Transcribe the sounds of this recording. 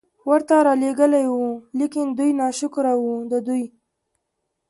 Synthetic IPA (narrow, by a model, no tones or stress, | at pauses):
wəɾt̪aɾɑleɡəlajwulikɪnd̪ujnɑʃʊkɾawud̪əd̪uj